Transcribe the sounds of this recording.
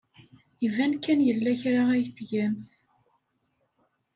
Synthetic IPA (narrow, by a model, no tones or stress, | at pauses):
ivænkːænjəlːæçɾaæjθʝæmθ